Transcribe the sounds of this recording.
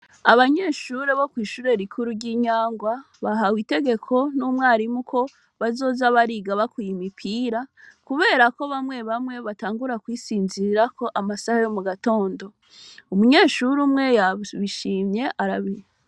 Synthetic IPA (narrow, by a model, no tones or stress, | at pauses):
aβaɲe̞ːʃuɾe̞βo̞kwiːʃuːɾe̞ɾikʰuɾuɾɟiːɲaːŋɡwa | βaɦawite̞ɡe̞kʰo̞numwaːɾimukʰo̞ | βazo̞ːzaβaɾiɡaβakujimipʰiːɾakuβe̞ːɾako̞βamwe̞βamŋe̞βataːŋɡuɾakwiːsiːnziɾako̞ʔamasahajomuɡato̞ːndo̞ | umuɲe̞ːʃuɾumŋe̞jaβiʃiːmɲe̞ʔaɾaβiɾe